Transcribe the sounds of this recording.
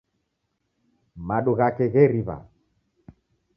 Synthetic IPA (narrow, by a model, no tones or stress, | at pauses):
maɗuɣakɛɣɛɾiβa̰